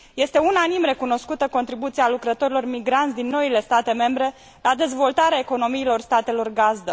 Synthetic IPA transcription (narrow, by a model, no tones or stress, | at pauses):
je̞st̪e̞unanimɾe̞kuno̞skut̪əko̞nt̪ɾibut̪sialukɾət̪o̞ɾilo̞rmiɡɾant̪ʲd̪inːo̞ile̞st̪at̪e̞me̞mbɾe̞ | lad̪e̞zvo̞lt̪aɾeaeko̞no̞miːlo̞rst̪at̪e̞lo̞rɡazd̪ə